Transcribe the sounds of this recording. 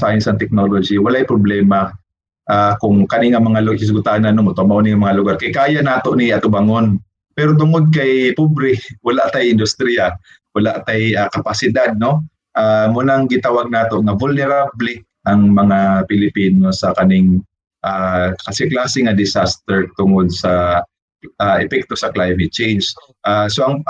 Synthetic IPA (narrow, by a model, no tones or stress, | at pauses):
sajɪnsaŋt̪ɛk̚nolod͡ʒiwalaʔjpɾʊblɛːma | ʔakʊŋkɐnɪŋamɐŋalʊkɪs̬ʊɡʊt̪aʔnanomot̪amaʔonɪŋamɐŋalʊɡaɾkajkaːjanaːt̪oʔniɐt̪ʊbaŋon | pɛɾot̪̬ʊŋod̪̚k̬ajpubɾɪwalaʔt̪ajɪnd̪ʊst̪ɾija | walaʔt̪ajakapasɪd̪ad̪̚no | ʔamunaŋɡɪnt̪awaɡ̚naːt̪o̞ʔŋavʊlnɛɾablɛ | ʔɐŋmɐŋapɪlɪpinosɐkɐnɪŋ | ʔakɐsɛklaːsɪŋad̪ɪsast̪ɛɹt̪ʊŋod̪̚sɐ | aʔɛpɛk̚t̪osɐklajmɪt̪̚t͡ʃejns | ʔasoʔaŋ